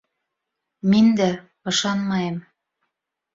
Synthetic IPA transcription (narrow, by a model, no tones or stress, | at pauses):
mind̪æ | ɤ̆ʃɑnmɑjem